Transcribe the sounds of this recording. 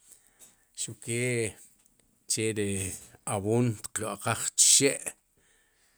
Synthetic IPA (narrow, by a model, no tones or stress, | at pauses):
ʃukeː | t͡ʃeɾeawuːnt̪qloʔaqaχt͡ʃi̥ʃeʔ